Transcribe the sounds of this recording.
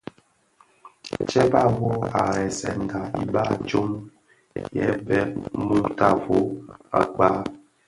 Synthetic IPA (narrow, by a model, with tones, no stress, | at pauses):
t͡ʃɛ˦ba˦˨wo˦a˨ɾɛ˨sɛ̰˨n˨da˨ḭ˨ba˦˨t͡ʃo˦m | jɛ̰˦bɛ˦mu˦ta˦˨vo˦a̰˨k͡pa˦